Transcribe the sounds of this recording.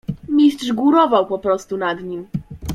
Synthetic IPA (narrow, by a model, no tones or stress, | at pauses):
mʲistʂɡuɾɔvawpɔpɾɔst̪unad̪ɲim